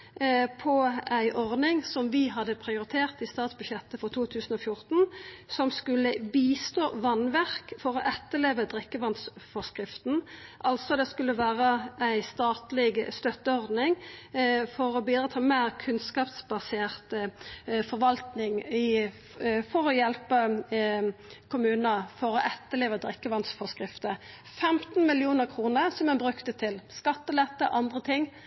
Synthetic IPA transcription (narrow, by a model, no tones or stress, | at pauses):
pʰɔæɪʔɔʁd̪nɪŋsɔmʋɪɦɑd̪əpʰʁɪʊɾɪt̪ʰeːʁt̪ɪst̪ɑːt̪sbʉʃjɛt̪ːəfɔʁt̪ʰuːt̪ʰʉːsn̩ɔːfjʊʁt̪n̩sɔmskʉlːəbiːst̪oːʋɑnʋæʁkfɔʁɔʔɛt̪ːəleːʋəd̪ʁɪkːəʋɑnsfɔskʁɪft̪nʔɑlt̪sɔd̪ɛskʉlːəʋæːʁəæɪst̪ɑːt̪lɪɡst̪œt̪ːəɔʁd̪nɪŋ | fɔɾɔbiːd̪ʁət̪ʰɑːmeːʁkʰʉnskɑːpsbɑseːʁt̪ | fɔʁʋɑlt̪nɪŋɪ | fɔɾɔjɛlpə | kʰʊmʉːnəfɔɾɔʔɛt̪ːəleːʋəd̪ʁɪkːəʋɑnt̪sfɔskʁɪft̪ə | fɛmt̪n̩mɪlɪuːnəʁkʰʁuːnəʁsɔmɛnbɾʉkt̪ət̪ʰɪlskɑt̪ːəlɛt̪ːəʔɑnd̪ʁət̪ʰɪŋː